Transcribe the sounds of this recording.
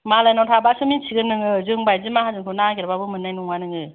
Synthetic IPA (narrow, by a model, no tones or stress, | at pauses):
malajnawtʰabasɯmit͡ʃʰiɡɯnːɯŋɯzɯŋbajzimaɦazɯŋkʰɯnaɡiɾbabɯmɯnːajnuŋanɯŋɯ